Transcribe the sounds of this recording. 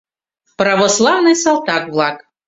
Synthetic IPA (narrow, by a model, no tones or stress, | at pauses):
pɾɐʋɔslˠawnɨjsɐlˠt̪akvlˠak